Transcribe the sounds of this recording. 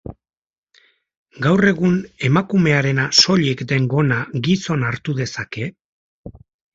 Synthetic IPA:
ɡawre̞ɣ̞une̞makume̞aɾe̞naso̞ʎekd̪e̞ŋɡo̞naɡiso̞naɾt̪uðe̞sake̞

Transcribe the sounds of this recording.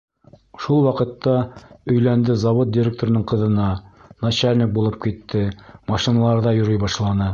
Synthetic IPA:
ʃulˠwɑqɤ̆t̪ːɑɵ̆jlænd̪ɘzɑwot̪̚dʲiɪɾʲek̚t̪oɾ̆nɤɴqɤ̆ðɤ̆nɑnɑɕælʲnʲɘk̚bulˠɤp̚kit̪ːɘmɑʃinɑlˠɑɾðɑjŏɾɤjbɑʃlˠɑnɤ

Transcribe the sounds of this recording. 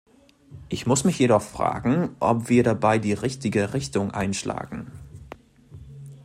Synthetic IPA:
ʔɪçmʊsmɪçjeɾɔχfʁ̥a̰ːɡŋ̩ʔɔ̰pv̥iːɐɾabaɪdiːʁɪçtɪɡəʁɪçtʊŋʔa̰ɪnʃla̰ːɡŋ̩

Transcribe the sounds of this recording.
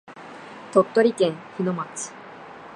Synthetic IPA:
t̪ot̪ːo̞ɾʲikẽ̞ɰ̃çino̞mat͡sɨ̥

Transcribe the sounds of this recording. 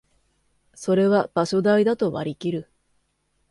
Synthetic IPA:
so̞ɾe̞βab̥aɕo̞d̪aid̪at̪o̞βaɾʲikʲiɾɯ̟

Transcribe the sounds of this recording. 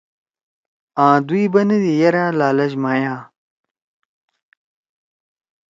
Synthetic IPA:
ãːd̪uibɐnɐd̪ijɐɾaːlaːlɐʑmaːjãː

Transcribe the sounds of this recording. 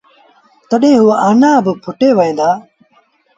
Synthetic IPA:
t̪əɗẽːɦʊaːʔaːnãːbəpʰʊʈeːʋəẽːnd̪aː

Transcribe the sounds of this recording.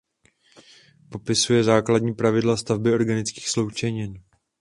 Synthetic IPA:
po̞pɪsujɛzaːkladɲiːpɾavɪdlast̪avbɪo̞ɾɡanɪt͡ski̥ːxslo̞wt͡ʃɛɲɪn

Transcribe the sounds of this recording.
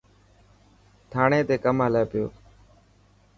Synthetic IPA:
t̪ʰaːɳeːt̪eːkəmɦəleːpɪjo̰ː

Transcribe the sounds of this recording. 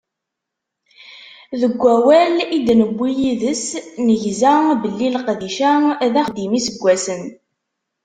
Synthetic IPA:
ðəɡʷːæwælid̪nəbːijiðəsnəʝzæbəlːilqðiʃæðæχd̪imisəɡʷːæsən

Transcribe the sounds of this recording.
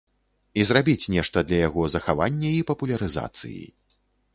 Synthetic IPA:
izrabʲit͡sʲnʲɛʂt̪ɐd̪lʲɐjaɣɔzɐxavanʲːɐipɐpulʲɐɾɨza̰t̪sɨ̰jḭ

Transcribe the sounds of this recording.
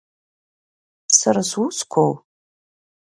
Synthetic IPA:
saɾaswuskʷʰow

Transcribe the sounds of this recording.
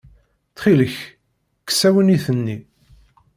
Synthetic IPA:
θχiləç | kːə̥sæwəniθənːi

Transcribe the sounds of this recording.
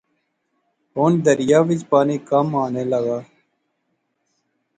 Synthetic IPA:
ɦoːnd̪əɾɪjaːʋɪd͡ʒpaːniːkəmaːneːləɡaː

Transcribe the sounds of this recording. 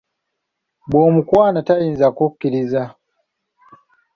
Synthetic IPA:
bɔmukwaːnatainzakukːiɾiza

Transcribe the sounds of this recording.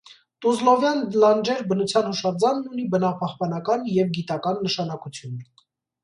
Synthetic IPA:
t̪uzlɔvjɑnlɑnd͡ʒɛɾbənut͡sʰjɑnhuʃɑd͡zɑnːunibənɑpɑhpɑnɑkɑnjɛvɡit̪ɑkɑnːəʃɑnɑkut͡sʰjun

